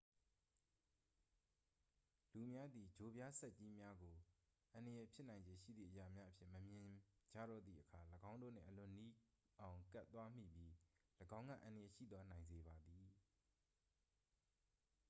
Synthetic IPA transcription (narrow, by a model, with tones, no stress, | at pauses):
lu˨mja˦d̪i˨d͡ʑo˨bja˦sɛ˦ʔ̚t͡ɕi˦mja˦ɡo˨ | ʔã˨ndə˨jɛ˨pʰjɪ˦ʔnã˨ɪ̃ɲd͡ʑẽ˨ʃḭ˦˨d̪ðḭ˦˨ʔəja˨mja˦ʔəpʰjɪ̰̃˦˨məmjɪ̃˨d͡ʑa̰˦˨ɾɔ̰˦˨d̪ðḭ˦˨ʔəkʰa˨ləɡã˦ʊ̃ndo̰˦˨n̥ɪ̰̃˦˨ʔəlʊ̃˨ni˦ | ʔã˨ʊ̃ŋkɛ˦t̪ːwa˦m̥ḭ˦˨bji˦ləɡã˦ŋɡä̰˦˨ʔã˨ndə˨jɛ˨ʃḭ˦˨t̪wa˦nã˨ɪ̃nze˨ba˨d̪i˨